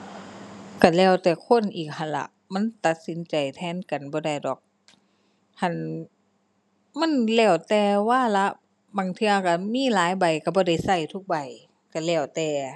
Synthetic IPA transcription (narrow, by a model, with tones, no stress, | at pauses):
ka˧˩lɛː˧˩wt̪ɛː˨˩kʰo˧˥˨nʔiː˨˩k̚ha˧˩nla̰˧ʔ | ma˧˥˨nt̪a˧˦t̪̚si˨˦nt͡ɕa˨˩jt̪ʰɛː˧˥˨nka˨˩nbɔː˧˦da˧˩jdɔː˨˩k̚ | ha˧˨n | ma˧˥˨nlɛː˧˩wt̪ɛː˧waː˧˥˨la˧˥ʔ | baː˨˩ŋt̪ʰɯ˧a˧ka˧˩miː˧˥˨laː˨˦jba˨˩jka˧˩bɔː˧˦da˧˩jsa˧˩jt̪ʰu˧˥k̚ba˨˩j | ka˧˩lɛː˧˩wt̪ɛː˧˩